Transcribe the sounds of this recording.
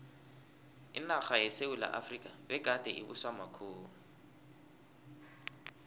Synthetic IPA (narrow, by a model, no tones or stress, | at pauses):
ɪnaχajɛseula̰ʔa̰frikʼabɛɡ̥ʱʼad̥ʱɛḭbuswamakʰoːŋu